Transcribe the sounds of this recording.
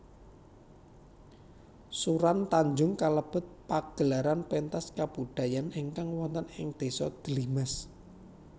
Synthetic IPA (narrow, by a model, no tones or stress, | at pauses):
suɾant̪aɲd͡ʒʊŋkaləb̥ʊ̤t̪̚paɡ̥əlaɾanpent̪askab̥ud̪̥a̤janiŋkaŋwɔnt̪ənɪŋd̪̥e̤sɔd̪̥əlimas